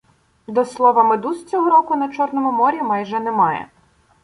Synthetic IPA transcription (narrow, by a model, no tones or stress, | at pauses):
d̪ɔslˠɔʋɐmɪd̪ust͡sʲɔɦɔɾɔkʊnɐt͡ʃɔrnɔmʊmɔɾʲimɑjʒɛnɛmɑjɛ̰